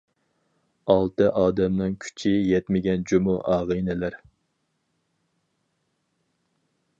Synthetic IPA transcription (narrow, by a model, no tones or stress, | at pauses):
ɑlˠt̪ɨʔɑːd̪ɛmnɪŋkʲʰy̥t͡ʃʰijɛt̪mɪɡʲɛnd͡ʒumuʔɑːʁɨjnɪlæɾ